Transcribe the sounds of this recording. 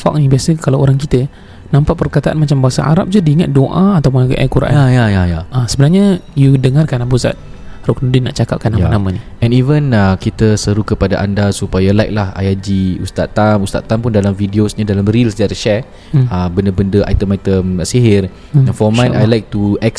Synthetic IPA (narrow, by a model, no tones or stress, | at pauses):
fa̰k̚nibiasəkalawoɾaŋkit̪ə | nãmpaʔpərkat̪aʔa̰nmat͡ʃambaɦasa̰ʔa̰ɾa̰p̚d͡ʒudiiŋat̪̚doʔaat̪awp̬ʊnʔa̰kuɾa̰ʔajajajajaasəbənarɲajudəŋarkanabusa̰t̪̚ | ruknudinːãʔt͡ʃaka̰p̚kanːajanamãni | ɛ̃nivənəkit̪əsəɾukəpadaʔandasupajalajk̚laha̰jad͡ʒiust̪at̪amust̪a̰t̪ːampʊndalamfidiosɲadalamɾilsdɛt̪ʃɛ | əbəndəbəndəʔa̰jt̪əmajt̪əmaʔsiɦɪr | ɛ̃nfɔmãjnajlajk̚t̪uɛks